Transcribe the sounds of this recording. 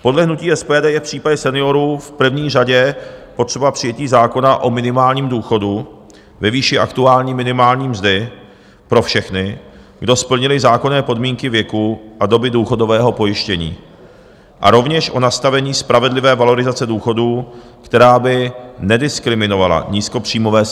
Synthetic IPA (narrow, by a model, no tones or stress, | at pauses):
po̞dlɛɦnuciːʔɛspɛːdɛːjɛfpr̝̥iːpaɟɛsɛnɪo̞ɾuːfpr̩vɲiːraɟɛpot̪r̥ɛbapr̥ɪjɛciːzaːko̞naʔo̞mɪnɪmaːlɲiːmduːxo̞du | vɛviːʃɪʔa̰kt̪uaːlɲiːmɪnɪmaːlɲiːmzdɪ | pɾo̞fʃɛxnɪ | ɡdo̞spl̩ɲɪlɪzaːko̞nɛːpo̞dmiːŋkɪvjɛkuʔado̞bɪduːxo̞do̞vɛːɦo̞po̞jɪʃcɛɲḭː | ʔa̰ɾo̞vɲɛʃʔo̞nast̪avɛɲiːspɾavɛdlɪvɛːvalo̞ɾɪzat͡sɛduːxo̞duː | kt̪ɛɾaːbɪnɛdɪskɾɪmɪno̞vala̰ɲiːsko̞pr̝̥iːmo̞vɛː